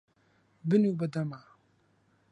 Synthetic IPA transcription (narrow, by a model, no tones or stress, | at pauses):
bɪnubɐd̪ama